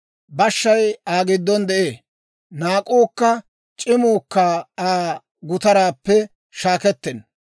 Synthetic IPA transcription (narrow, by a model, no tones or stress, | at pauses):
bɐʃːɐjaːɡɪd̪ːɔnd̪ɛʔeː | naːkʼoːkːɐ | t͡ʃʼɪmoːkːaːaː | ɡʊt̪ɐɾaːpːɛ | ʃaːkɛt̪ːɛn